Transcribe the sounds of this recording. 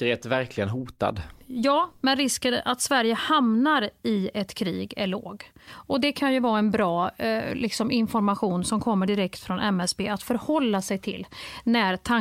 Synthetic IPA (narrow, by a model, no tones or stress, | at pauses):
ɾeːt̪væɾkʰlɪɡənɦuːt̪a̰d̪jɑːmɛnɾɪskənʔat̪svæɾjəhamnaɾɪɛt̪kʰɾiːɡæɭo̰ːɡɔd̪ɛkʰanjɵvɑːɛnbɾɑːlɪksɔmɪnfɔɾmaɧuːnsɔmkʰɔmːəɖɪɾɛkt̪fɾɔnʔɛmɛsbeːat̪fœɾhɔlːasɛjt̪ʰɪlnæɾt̪ʰa